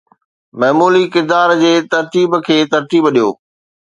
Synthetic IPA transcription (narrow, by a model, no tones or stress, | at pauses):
mɐɦmuːlikɪɾd̪aːɾd͡ʑeːt̪ɐɾt̪iːbkʰeːt̪ɐɾt̪iːbɗijo̰ː